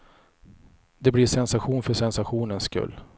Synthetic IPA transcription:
d̪ɛbliɾsɛnsaɧuːnfœʂɛnsaɧuːnənskɵ̰lː

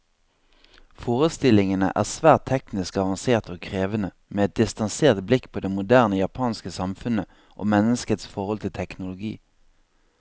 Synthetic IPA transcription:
foːʁəst̪ɪlɪŋənə̰ʔæ̰ːʁsʋæːʁt̪ʰɛknɪskɑʋɑnseːʁt̪ʰoːkʰʁeːʋənə | meːɛt̪̚d̪ɪst̪ɑnseːʁt̪blɪkːpʰoːd̪ɛmʊd̪æːʁnəjɑpʰɑːnskəsɑmfʉnə | ʔo̰ːmɛnəskət̪sfɔʁɔlt̪ʰɪlt̪ʰɛknʊlʊɡḭː

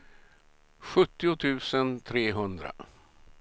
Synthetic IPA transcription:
ɧɵt̪ːɪʊt̪ʰʉ̟ːsənt̪ʰɾeːɦɵnd̪ɾa̰

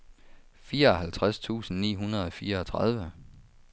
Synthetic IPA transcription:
fiːɐɒ̽ɦælt͡sʰʁast͡sʰṵːsn̩nḭːɦunɐð̞̩ˠɒ̽fiːɐɒt͡sʰʁɑð̞ˠʋə

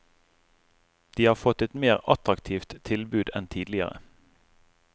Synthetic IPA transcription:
d̪̥iːhɑːʁfɔt̪ɛt̪meːʁɑt̪ʁɑkt̪ʰiːft̪t̪ʰɪlbʉːd̪ɛnt̪ʰiːd̪lɪə̰ʁə̰

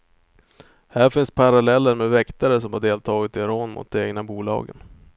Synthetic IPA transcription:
hæːɾfɪnspʰaɾalɛlːəɾmɛvɛkt̪aɾəs̬ɔmhaɖeːlt̪ʰɑːɡɪt̪ɪɾoːnmʔʊ̰t̪̚d̪ɛeːɡnabuːlɑ̰ːɡə̰n

